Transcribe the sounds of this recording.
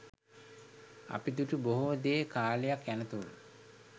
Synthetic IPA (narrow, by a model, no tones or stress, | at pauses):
a̰pid̪uʈəboɦud̪eːkaːlejakænət̪ulu